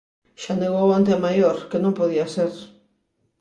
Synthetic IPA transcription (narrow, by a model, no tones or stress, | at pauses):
ʃaneɣowant̪eamajoɾkenõmpoð̞iaseɾ